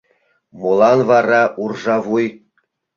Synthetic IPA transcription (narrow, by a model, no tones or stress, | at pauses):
mulˠɑnvɑɾɑʔurʐɑʋuj